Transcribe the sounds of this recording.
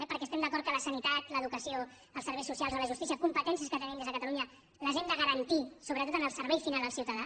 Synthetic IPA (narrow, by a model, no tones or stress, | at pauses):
ɛpəɾkɛst̪ɛmd̪əkɔɾt̪kələsənit̪at̪ləðukəsio | əlˠsəɾβɛjsusijalˠzələʒust̪isiəkumpət̪ɛnsiəskət̪ənimd̪ezðəkət̪əluɲə | ləʒend̪əɣəɾənt̪isoβɾət̪ot̪ənəlˠsəɾβɛjfinalˠd̪əlˠsiwt̪əða